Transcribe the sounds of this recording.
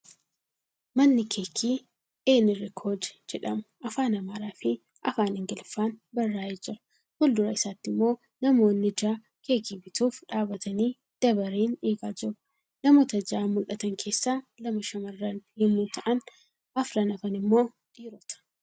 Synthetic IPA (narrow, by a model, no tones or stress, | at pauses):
mɐnːɪkʰeːkʰiː | eːnɪrɪkʰoːd͡ʒɛ̥d͡ʒɛᶑɐmʊ̥ʔɐfaːnɐmaːɾaːfɪ | ʔɐfaːnɪŋɡɪlfaːnbɐrːaːɛd͡ʒɪɾɐ̥ | hʊld̪ʊɾɐɪsaːt̪ːɪmːo̞ː | nɐmo̞ːnːɪd͡ʒaː | ke̞ːkiːbɪt̪uːfᶑaːbɐt̪ɐniː | d̪̥ɐbɐɾiːneːɡaːd͡ʒɪrʊ̥ | nɐmoːt̪ɐd͡ʒaːmʊlʔɐt̪ɐŋkʰe̞ːsːaːlɐmɐʃɐmɐrːɐnhɪmːuːt̪ʰɐʔɐn | ɐfɾɐnɐfɐnɪmːo̞ː | ᶑ̪̥iːɾɔt̪ɐ̥